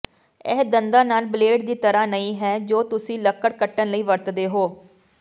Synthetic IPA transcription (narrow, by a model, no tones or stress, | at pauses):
ɛ̰ːd̪ənd̪aːnaːlbleːɖd̪iːt̪əɾaːnəĩːɦɛːd͡ʒoːt̪ʊsĩːləkːəɽkəʈːənləiːʋəɾt̪d̪eːɦoː